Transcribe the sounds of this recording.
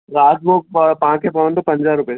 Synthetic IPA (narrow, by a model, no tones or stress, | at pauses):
ɾaːd͡ʒbopaãkepɐʋə̃nd̪opɐ̃ɲd͡ʒaɾʊpe